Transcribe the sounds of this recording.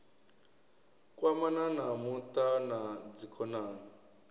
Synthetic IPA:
kʼwamananamut̪anad͡zikʰɔnaːna

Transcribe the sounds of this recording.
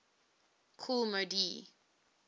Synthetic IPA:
kʰulmodi

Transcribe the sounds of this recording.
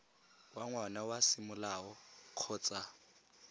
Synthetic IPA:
waŋwanawasɪmʊlaɔq͡χʰɔːt͡sʼa

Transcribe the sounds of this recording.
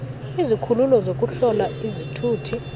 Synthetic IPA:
izikʰululɔzokʼuɬɔlaizitʰuːtʰi

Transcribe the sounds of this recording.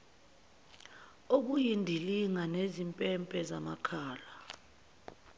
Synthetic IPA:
ok̬ujindʱiliŋanezimpʼɛmpʼɛza̰ma̰kʰaːla

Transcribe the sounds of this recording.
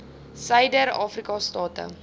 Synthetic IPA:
səjdəɾɑ̰ːfrikɑstɑːtə̰

